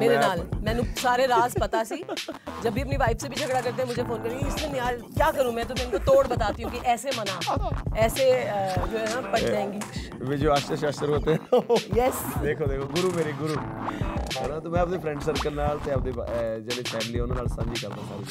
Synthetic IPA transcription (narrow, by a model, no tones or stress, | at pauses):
meːɾeːnaːlmɛ̃ːnũːsaːɾeːɾaːzpət̪aːsiːd͡ʒəbʱːiːəpniːʋaːɪbsebiːt͡ʃʰəkɽaːkəɾt̪eɛ̃ːmʊd͡ʒʱeːpʰoːnkəɾːŋɡɪsenɪaːlkjaːkəɾũːmɛ̃ːt̪oːmɛːñːt̪ot̪oːɽbət̪aːt̪iːũːkɪʔɛːseːmənãːɛːseːd͡ʒoːɦɛːnaːpəʈd͡ʒaːẽːŋɡiː | ʋeːd͡ʒoːaːt͡ʃəʃəːsəɾɦoːt̪ejɛsd̪eːkʰoːd̪eːkʰoɡʊɾuːmeːɾeːɡʊɾuː | ɦɛːnaːt̪oːmɛ̃ːəp̚d̪eːpʰɾɛ̃ɳɖsəɾkəlnaːlt̪eːəp̚d̪eːd͡ʒɛleːpʰɛːmɪliːʊnãːnaːlsə̃nd͡ʒiːkəɾt̪ãːa̰ːɾiː